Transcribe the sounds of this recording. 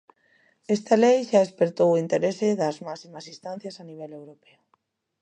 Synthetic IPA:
est̪alejʃaespeɾt̪owint̪eɾeseðazmasimasist̪ãn̟θjasaniβ̞elewɾopeo

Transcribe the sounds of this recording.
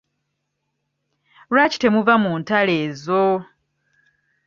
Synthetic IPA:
lwaci̥te̞muvamuːntale̞ːzo

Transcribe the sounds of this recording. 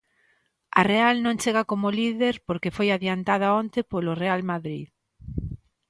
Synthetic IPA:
a̰realnõŋt͡ʃeɣakomoliðeɾpoɾkefojaðjant̪að̞aont̪epolorealmaðɾið

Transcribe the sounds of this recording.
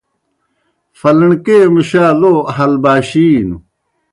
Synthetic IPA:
fɐlɐɳkeːmuɕaːloːɐɦɐlbaːɕiːnu

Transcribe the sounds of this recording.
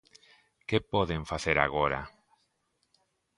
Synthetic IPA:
kepoðeɱfaθeɾa̰ɣoɾa̰

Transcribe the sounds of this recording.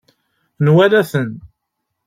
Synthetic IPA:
nwælæθən

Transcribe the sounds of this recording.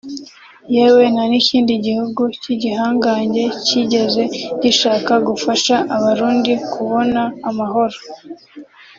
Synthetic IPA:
jewenaniciːndiɟihuɡuciɟiɦaːŋɡaːɲɟe̞ciɟe̞ze̞ɟiʃaːkaɡufaʃaʔaβaɾuːndikʰuβo̞naːmaɦo̞ɾo

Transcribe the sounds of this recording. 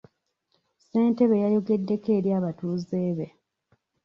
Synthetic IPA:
se̞ːnte̞βe̞jajo̞ɡe̞dːe̞ke̞ːɾjaːβatuːze̞ːβe̞

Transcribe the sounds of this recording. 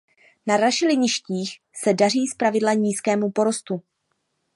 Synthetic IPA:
naɾaʃɪlɪɲɪʃciːx | sɛdar̝iːspɾavɪdlaɲiːskɛːmupo̞ɾo̞st̪u

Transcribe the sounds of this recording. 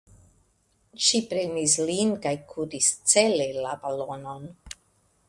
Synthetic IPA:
ʃipɾenislinkajkʰuɾist͡selelabalono̞n

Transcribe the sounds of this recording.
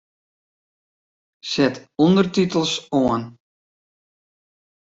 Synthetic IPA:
sɛtɔndərtitəlˠsoən

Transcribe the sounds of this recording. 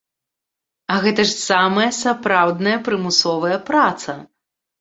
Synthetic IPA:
ɐɣɛt̪ɐʂsamɐjɐsapɾawd̪nɐjɐpɾɨmusɔvɐjɐpɾat̪sɐ

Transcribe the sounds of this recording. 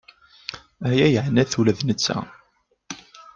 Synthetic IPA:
æjæjəʕnæθulæðnət͡sːæ̰

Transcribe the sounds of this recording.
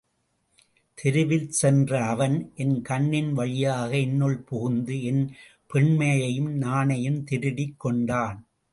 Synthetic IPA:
t̪ʰɪɾɯʋɪlsɛndrɐːʋɐnʔɛnkɐɳːɪnʋɐɻɪjaːɣɐɛnːoɭpʊɣɯnd̪ɯɛn | pɛɳmɐjɐjɯmnaːnɐjɯmt̪ɪɾɯɽɪkːɔɳɖaːn

